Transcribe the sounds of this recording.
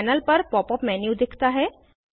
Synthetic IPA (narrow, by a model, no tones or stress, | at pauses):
ɛːnəlpɐɾpɔːpɔpmɛːnjud̪ɪkʰt̪aɦɛː